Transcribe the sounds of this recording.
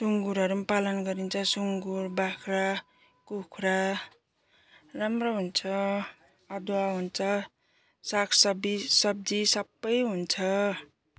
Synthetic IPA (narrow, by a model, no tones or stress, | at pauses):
suŋɡuɾʌɾumpalʌnɡʌɾint͡sʰʌsuŋɡurbakʰra | kukʰɾa | ramroɦunt͡sʰʌ | ʌd̪waɦunt͡sʰʌ | sakʰsʌbisʌb̚d͡zisʌbːʌjɦunt͡sʰʌ